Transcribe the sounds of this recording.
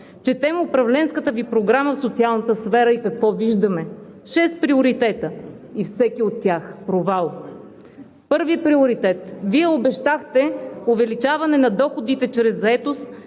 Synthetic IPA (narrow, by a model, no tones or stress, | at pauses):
t͡ʃɛt̪ɛməʊpɾɐvlɛnskət̪əvipɾoɡɾaməfsot̪sialˠnət̪əsfɛɾəikɐkvɔviʒd̪əmɛʃɛst̪̚pɾioɾit̪ɛt̪ə | ifsɛkiot̪ːjaxpɾovalˠ | pɤɾvipɾiʊɾit̪ɛt̪viɛobɛʃt̪axt̪ɛʊvɛlit͡ʃavɐnɛnɐd̪ɔxod̪it̪ɛt͡ʃɾɛzːɐɛt̪os